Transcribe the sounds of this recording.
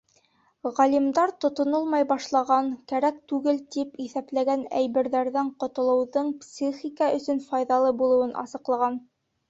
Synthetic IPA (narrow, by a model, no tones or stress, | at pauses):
ʁælimd̪ɑɾt̪ŏt̪ŏnolˠmɑjbɑʃlˠɑʁɑŋkæɾæk̚t̪ʉɡɘlt̪ipiθæplæɡænæjβɘ̆ɾðæɾðæɴqŏt̪ŏlˠɤ̆wðɤɴpsʲiχikɑʔɵ̆sɵnfɑjðɑlˠɤbulˠɤ̆wɤnʔɑ̰sɤ̆qlˠɑʁɑn